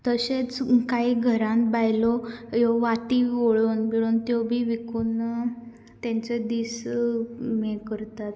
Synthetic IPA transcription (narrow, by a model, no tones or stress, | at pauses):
t̪əɕet͡skaiɡʱəɾãnbajlɔjɔʋaʈioɭonbiɭunt̪jɔbʱiːʋikuːn | t̪ãɲt͡sed̪is | mekəɾt̪at̪